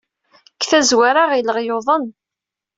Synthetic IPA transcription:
kːθæzwaɾaʁiləʁjoðˤən

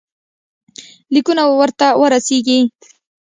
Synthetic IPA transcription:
likunawwɐɾt̪awɐɾasiːɡi

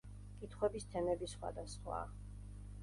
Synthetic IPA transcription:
kʼit̪ʰχwɛbist̪ʰɛnɛbisχwa̰d̪asχwa̰

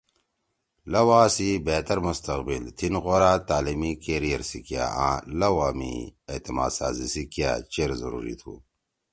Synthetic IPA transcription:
lɐwaːsibeːt̪ɐɾmust̪ɐqbilt̪ʰinɣoɾaːt̪aːlimikeɾijɐɾsikija̰ã̰ːlɐwaːmḭet̪ima̰ːd̪saːzisikja̰t͡ʃeɾzɐɾṵːɾḭt̪ʰṵ

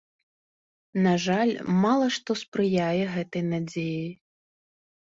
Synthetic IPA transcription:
naʐalʲmalˠɐʂt̪ɔspɾɨjajɛɣɛt̪ɐjnad͡zʲeji

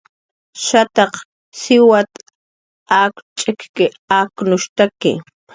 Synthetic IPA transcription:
ʃat̪ɑq | sɪwat̪ | aːkt͡ʃʼekkɪ | aːknʊʃt̪akɪ̰

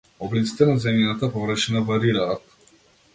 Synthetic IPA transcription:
ɔblit̪si̥t̪ɛnazɛmjat̪apɔvɾəʃinavaɾiɾaːt̪

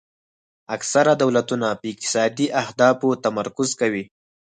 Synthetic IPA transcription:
aksaɾad̪awlat̪unapəɪk̚t̪ɪ̥sɑd̪iʔahd̪ɑfot̪amaɾkʊzkawi

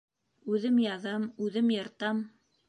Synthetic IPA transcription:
ʉðɘmjɑðɑmʉðɘmjɑ̆ɾt̪ɑm

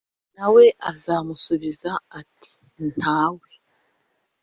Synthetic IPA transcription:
nawe̞ʔazaːmusuβizaːtʰi̥ | n̥haːwe

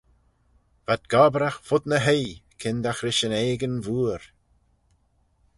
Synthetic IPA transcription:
v̥ad̪ɡ̥ɔbɾaxfʊd̪nəɦejkʰɪnd̪axɾɪʃəneːɡənvuːɾ

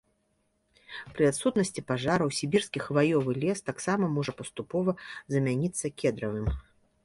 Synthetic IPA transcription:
pɾɨat̪sut̪nɐsʲt͡sʲipaʐaɾɐwsʲibʲirskʲixvajɔvɨlʲɛst̪aksamɐmɔʐɐpɐst̪upɔvɐzɐmʲanʲit̪sːɐkʲɛd̪ɾɐvɨm

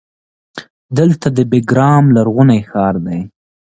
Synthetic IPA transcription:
d̪əlt̪ad̪əbɪɡɾɑmlaɾɣunajxɑɾd̪aj

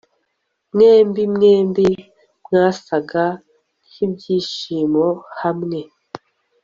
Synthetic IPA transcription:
mneːmbimneːmbi | mŋaːsaɡa | nibɟiːʃiːmohamŋe̞

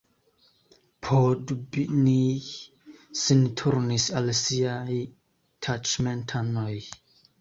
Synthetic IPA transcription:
pʰodbini | sintʰuɾnisalsiaj | tʰat͡ʃmentʰanoj

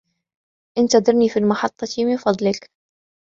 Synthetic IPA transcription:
ʔɪnt̪ad̪ˤɑɾˤniːfilmɑħɑt̪ˤːɑt̪imɪnfɑd̪ˤlɪk

